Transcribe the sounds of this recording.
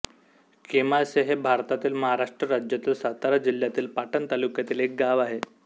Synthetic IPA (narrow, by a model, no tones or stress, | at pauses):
kemaseɦebʱaɾt̪at̪iːlməɦaɾaʂʈɾəɾad͡ʑjat̪iːlsat̪aɾad͡ʑil̤jat̪iːlpaʈənt̪alukjat̪iːlek̚ɡaʋaɦe